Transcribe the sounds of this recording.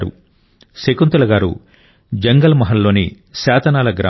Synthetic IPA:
ɾṵ | sekunt̪ɐlɐɡaːɾṵ | d͡ʒɐŋɡɐlɐmɐɦɐnːo̞ːni | saːt̪ɐnaːlɐɡɾa̰ː

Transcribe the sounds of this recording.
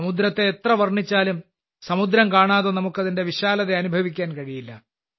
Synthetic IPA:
mud̪ɾɐt̪ːe̞ːt̪rɐʋɐrɳit͡ɕːaːlum | sɐmud̪ɾɐmkaːɳaːðonɐmukːɐðinde̞ʋiɕaːlɐðeɐnubʱɐʋik̬ʲːaːnkɐɻijilːɐ

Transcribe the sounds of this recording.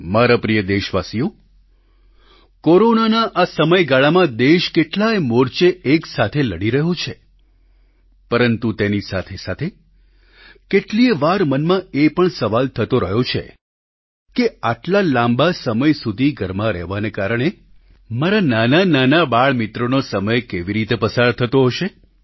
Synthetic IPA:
maɾapɾijəd̪eʃʋasijo | koɾonanaʔasəməjɡaɭamãd̪eʃkeʈlaemoɾt͡ʃeʔeksat̪ʰeləɽiɾəɦot͡ʃʰe | pəɾənt̪ut̪enisat̪ʰesat̪ʰe | keʈlieʋaɾmənmãepəɳsəʋalt̪ʰət̪oɾəɦot͡ʃʰḛ | keaʈlalãmbasəməjsud̪ʱiɡʱəɾmaɾɛ̰ɦʋanekaɾəɳ̃e | maɾananananabaɭmit̪ɾonosəməjkeʋiɾit̪epəsaɾt̪ʰət̪oɦəʃe

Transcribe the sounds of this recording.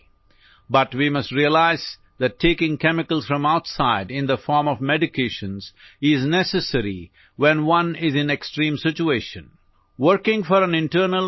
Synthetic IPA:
bʌʈwimʌsʈɾiəlaɪz | ðæʈʰːeːkɪ̃ŋkɛmɪkəlˠz̥fɾʌ̃maʊtsaɪɖɪ̃nd̪əfɔːɹmɔvmɛɖɪkʰeʃə̃nzɪznɛsəsəɾi | wɛ̃nwʌ̃nɪzɪ̃neksʈɾĩːmsɪt͡ʃueɪʃə̃n | wəɾkɪ̃ŋfɔɾæ̃nɪ̃nʈəɾnəl

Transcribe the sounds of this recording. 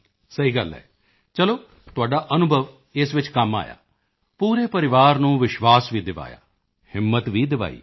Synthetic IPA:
səɦiːɡəlɦɛ̰ː | t͡ʃəloː | t̪ʊaːɖaːʔənʊbʱəʋ | ɪsʋɪt͡ʃkəma̰ːja̰ː | puːɾeːpəɾɪʋaːɾnũːʋɪʃʋaːsʋiːd̪ɪʋa̰ːja̰ː | hɪmːət̪ʋiːd̪ɪʋa̰ːḭː

